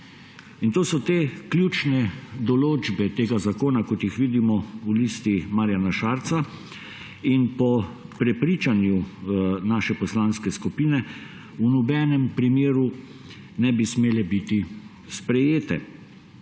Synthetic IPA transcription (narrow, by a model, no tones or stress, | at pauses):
int̪oːsɔt̪eːklʲjuːt͡ʃnɛd̪ɔloːd͡ʒbɛt̪eːɡazakoːnakɔt̪jixʋiːd̪imɔulist̪imaɾjanaʃaɾt̪sa | inpɔ | pɾɛpɾiːt͡ʃanjunaːʃɛpɔslanskɛskupiːnɛ | unɔbɛnɛmpɾimjeːɾu | nɛbismeːlɛbit̪i | spɾɛjeːt̪ɛ̰